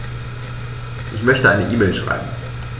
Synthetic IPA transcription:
ʔɪçmœçtəʔaɪnəʔiːmɛːlʃʁ̥a̰ɪbm̩

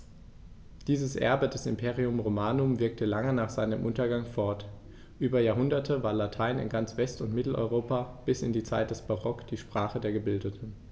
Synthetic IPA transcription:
d̥iːzəsʔɛ̰ɐbədɛsɪmpʰeːʁiʊmʁomaːnʊmvɪɐk̚tʰəlaŋənaːχz̥aɪnəmʔʊntɐɡaŋfɔɐt | ʔyːbɐjaːɐɦʊndɐtʰəvaːɐlatʰaɪnɪ̰nɡant͡sv̥ɛstʊntmɪtl̩ʔɔ̰ʏʁ̞oːpab̥ɪsɪndiːt͡sa̰ɪt̚d̥ɛsb̥aʁɔkd̥iːʃpʁ̥aːχədeːɐɡəbɪldətʰn̩

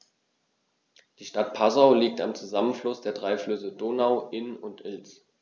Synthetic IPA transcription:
d̥iːʃtat̚pʰazaʊliːk̚tamt͡suzamənflʊsd̥eːɐdʁaɪflʏsədoːnaʊʔɪnʊntʰʔɪlt͡s

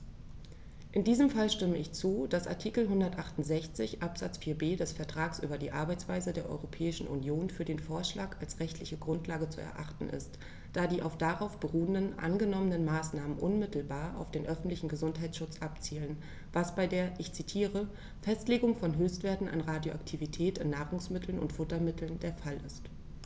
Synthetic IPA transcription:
ʔɪndiːzəmfalʃtɪməɪçt͡suːd̥asʔa̰ɐtʰiːkl̩ɦʊndɐtʔaχtʊn̩tz̥ɛçt͡sɪçʔapz̥a̰t͡sfiːɐbeːdɛsfɛɐtʁ̥aːksʔy̰ːbɐdiːʔaɐbaɪt͡sv̥aɪzədeːɐʔɔ̰ʏʁopʰɛːɪʃn̩ʔṵnjoːnfyːɐdeːnfoːɐʃlaːkalsʁɛçtʰlɪçəɡʁʊntʰlaːɡət͡sṵɛ̰ɐʔaχtn̩ʔɪ̰st | d̥aːdiːʔa̰ʊfd̥aʁaʊfb̥əʁuːəndənʔa̰nɡənɔmənənmaːsnaːmənʔʊnmɪtl̩baːɐʔa̰ʊfd̥eːnʔœfn̩tlɪçn̩ɡəzʊntɦaɪt͡ssʃʊt͡sʔap̚t͡siːlən | vasb̥aɪdeːɐʔɪçt͡sitʰiːʁə | fɛstleːɡʊŋfɔnɦøːstv̥eːɐtn̩ʔa̰nʁaːdjoʔa̰ktʰivitʰɛːtɪnːaːʁʊŋsmɪtʰl̩nʊ̰ntfʊtɐmɪtʰl̩ndeːɐfalɪ̰st

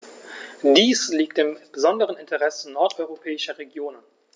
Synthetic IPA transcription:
d̥iːsliːk̚tɪmb̥əzɔndəʁənɪntʰəʁɛsənɔɐtʔɔʏʁopʰɛːɪʃɐʁeɡjoːnən

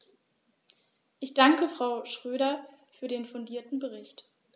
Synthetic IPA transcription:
ʔɪçd̥aŋkəfʁ̥aʊʃʁ̥øːɾɐfyːɐdeːnfʊndiːɐtn̩bəʁ̞ɪçt

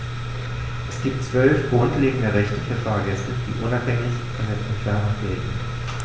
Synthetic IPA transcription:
ʔɛsɡ̥iːp̚tt͡sv̥œlfɡ̥ʁʊntleːɡŋ̩dəʁɛçtəfyːɐfaːɐɡɛstəd̥iːʔʊnaphɛŋɪçfɔndɛsɛntfɛɐnʊv̥eːdn̩

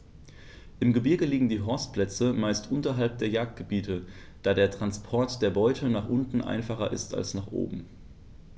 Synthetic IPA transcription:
ʔɪmɡəbɪɐɡəliːɡŋ̩diːɦɔɐstpʰlɛt͡səmaɪstʔʊntɐɦalp̚d̥eːɐjaːk̚t̚ɡ̥əbiːtə | d̥aːdeːɐtʁ̥anspʰɔɐtd̥eːɐbɔʏtʰənaːχʔʊntn̩ʔa̰ɪnfaχɐ̰ʔɪ̰sta̰lsnaːχʔo̰ːbm̩

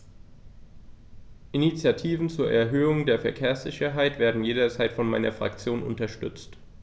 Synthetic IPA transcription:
ʔinit͡sjatʰiːvn̩t͡suːɐʔɛɐɦøːʊŋdeːɐfɛɐkʰeːɐsz̥ɪçɐɦaɪtv̥eːɐdn̩jeːɾɐt͡saɪtfɔnmaɪnɐ̰fʁ̥a̰kt͡sjoːnʔʊ̰ntɐʃtʏ̰t͡st

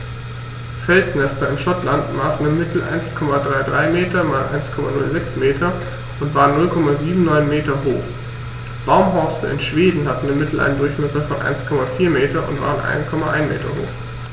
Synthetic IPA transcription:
fɛlt͡snɛstɐɪnʃɔtlantmaːsn̩ɪmmɪtl̩ʔa̰ɪnskʰɔmadʁaɪdʁaɪmeːtɐmaːlʔa̰ɪnskʰɔma̰nʊ̰lzɛksmeːtʰɐ | ʔʊntv̥aːʁənːʊlkʰɔmaziːbm̩nɔʏnmeːtɐɦo̰ːχ | b̥aʊmɦɔɐstɐ̰ɪ̰nʃv̥eːdn̩hatn̩dɪmɪtl̩ʔa̰ɪndʊɐçmɛsɐfɔnʔa̰ɪnskʰɔmafiːɐmeːtɐʔʊ̰ntv̥a̰ːʁənʔa̰ɪnkʰɔmaʔaɪnmḛːtʰɐ̰ɦo̰ːx

